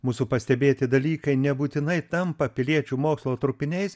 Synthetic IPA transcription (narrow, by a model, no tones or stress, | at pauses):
muːsupɐsʲt̪ʲɛbʲeːt̪ʲɪd̪ɐlʲiːkɐɪnʲɛbuːt̪ʲɪnɐɪt̪ɐmpɐpʲɪlʲiɛt͡ʃʲuːmoːkslˠoːt̪ɾʊpʲɪnʲɛɪs